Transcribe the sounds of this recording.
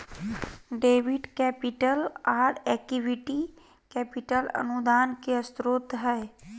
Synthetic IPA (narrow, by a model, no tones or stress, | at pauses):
ɖeːʋɪɖkɛːpɪʈəlaːɾɛːkiʋiʈi | kɛːpɪʈələ̰nud̪aːnkeəst̪ɾʊt̪ɦɛɛ